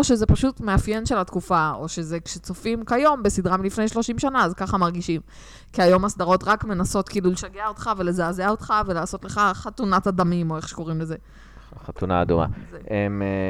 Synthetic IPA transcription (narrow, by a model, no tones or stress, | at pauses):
oʃeze̞paʃutme̞afje̞nʃe̞latkufao̞ʃe̞ze̞kʃet͡sofimkajo̞mbe̞sidʁamilifne̞jʃlo̞ʃimʃanaːzkaχamaʁɡiʃim | kiajo̞masdaʁo̞tʁakmenaso̞tkiːluleʃaɡeaotχave̞le̞zaːzeao̞t̪χave̞laːso̞tle̞χaχatunatadamimo̞eχʃe̥ko̞ʁimle̞ze̞ | χat̪una̰ːduma̰zeem